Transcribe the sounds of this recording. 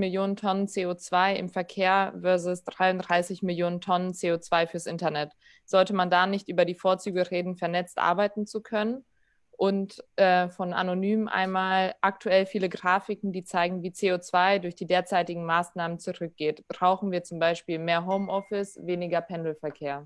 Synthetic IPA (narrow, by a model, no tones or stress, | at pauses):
mɪljoːnəntʰɔnənt͡seːoːt͡sv̥aɪɪ̰mfɛɐkʰeːɐvɛɐzʊsd̥ʁaɪʊndʁaɪsɪçmɪljoːnəntʰɔnənt͡seːoːt͡sv̥aɪfyːɐsʔɪntɐnɛt | z̥ɔltəmandanɪçtʔyːbɐdiːfoːɐt͡syːɡəʁeːdn̩fɛɐnɛt͡stʔa̰ɐbaɪtn̩t͡sukʰœnən | ʔʊntʔɛːfɔnʔa̰nonyːmmʔa̰ɪnmaːlʔak̚tʰuɛlfiːləɡʁaːfɪkŋ̩diːt͡saɪɡŋ̩viːt͡seːoːt͡sv̥aɪdʊɐçd̥iːdeːɐt͡saɪtɪɡŋ̩maːsnaːmənt͡suʁʏk̚ɡ̥eːtb̥ʁaʊxn̩viːɐt͡sʊmbaɪʃpiːlmeːɐɦoʊmʔɔfɪsv̥eːnɪɡɐpʰɛndl̩fɛɐkʰeːɐ